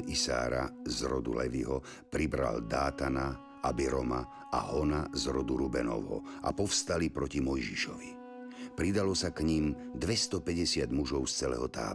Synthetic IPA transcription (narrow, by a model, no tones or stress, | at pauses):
isa̰ːɾa̰zɾɔd̪ṵlɛʋiɦɔ | pɾibɾa̰ld̪aːt̪ana | abiɾɔma | ʔa̰ɦɔnazɾɔd̪uɾubɛnɔ̰ʋɦɔ̰a̰pɔfst̪alipɾɔcimɔjʒiʃɔʋi | pɾid̪alɔsakɲimd̪ʋɛst̪ɔpɛɟɛsɪad̪muʒɔʊst͡sɛlɛ̰ɦɔt̪a̰ː